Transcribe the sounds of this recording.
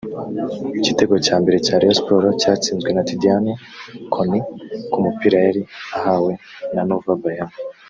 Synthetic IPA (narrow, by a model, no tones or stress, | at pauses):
icite̞ɡocaːmbe̞ɾe̞caːɾiospoɾocaːt͡siːnzɡwe̞natidiani | kʰonikumupiɾajaɾiahawe̞ | nanovabajam